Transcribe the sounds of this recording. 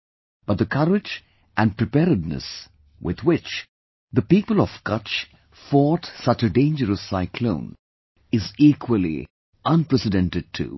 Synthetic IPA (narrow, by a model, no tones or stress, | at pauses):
b̥ʌt̪̚d̪əkʰʌɾɪd͡ʒ | ʔæ̃npɹɨpɛɾɨdnɨ̰s | wʔɪ̰ð̥wɪt͡ʃ | ðəpiːpəl̩ˠɔv̥kʌt͡ʃ | fɔtsʌt͡ʃɨɖẽɪ̃nd͡ʒəɾəsːaɪkʰlõ̰ʊ̃n | ɪzikʰwəlˠḭ | ʔʌ̃npɹɛsɨdɛ̃ntɨd̚tʰṵ